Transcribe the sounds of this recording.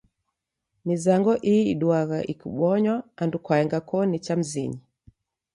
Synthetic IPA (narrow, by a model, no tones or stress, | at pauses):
nizaŋɡɔʔiiɗwaɣaʔikṵɓɔɲwaːndukwaɛŋɡakɔnit͡ʃam̩zḭɲi